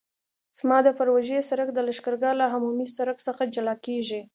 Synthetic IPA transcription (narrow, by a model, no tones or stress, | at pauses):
z̥mɑd̪əfaɾwaʒesaɾək̚d̪əlaʃkəɾɡalaɦamumisaɾəksəxad͡ʒalɑkeʒi